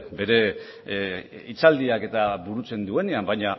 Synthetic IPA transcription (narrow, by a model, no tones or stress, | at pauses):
be̞ɾe̞ | it͡sald̪iake̞t̪aβuɾut͡se̞nd̪ue̞niambajɲa